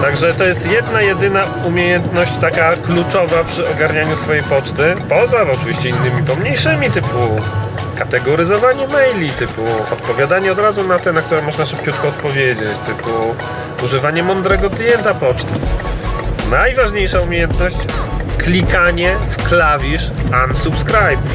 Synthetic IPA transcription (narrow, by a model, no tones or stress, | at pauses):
t̪aɡʐɛt̪ɔjɛst̪jɛd̪najɛd̪ɘna | umʲjejɛnt̪nɔɕt͡ɕt̪akaklut͡ʂɔvapʂɘɔɡaɾɲaɲusfɔjejpɔt͡ʂt̪ɘpɔzaɔt͡ʂɨvʲiɕt͡ɕɛinːɘmʲipɔmɲejʂɘmʲit̪ɘpu | kat̪ɛɡɔɾɘzɔvaɲɛmɛjlʲit̪ɘpuɔ̰t̪pɔvʲjad̪aɲɛɔd̪ɾazunat̪ɛnak̚t̪uɾɛmɔʐnaʂɘp̚t͡ɕut̪̚kɔɔt̪̚pɔvʲjed͡ʑet͡ɕt̪ɘpu | uʐɘvaɲɛmɔnd̪ɾɛɡɔklʲijɛnt̪apɔt͡ʂt̪ɘ | najvaʐɲejʂaumʲejɛnt̪nɔɕt͡ɕklʲikaɲɛfklavʲiʂansupskɾajp̚